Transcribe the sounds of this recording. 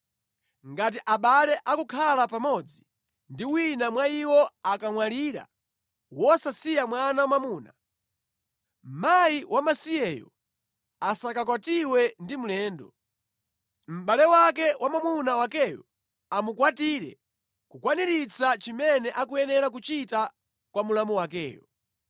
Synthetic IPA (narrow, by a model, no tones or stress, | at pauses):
ŋɡat̬iʔaɓalɛʔakukʰalapamɔd͡zi | ndiwinamwaiwɔakaŋwaliːɾa̰ | wɔsasijamwanamwamuːna̰ | m̩majiwʔamasijɛjɔ̰ | asakakwatiwɛndimulɛːndɔ | m̩ɓalɛwak̬ɛwʔamamunawakɛjɔ | amukwatiːɾɛ̰ | kukwaniɾit͡sat͡ʃimɛnɛʔak̬ujɛnɛɾak̬ut͡ʃita | kwamulamuwakɛːjɔ